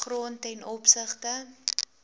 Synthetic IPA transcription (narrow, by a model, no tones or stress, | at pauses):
roəntɛjnɔpsəχtə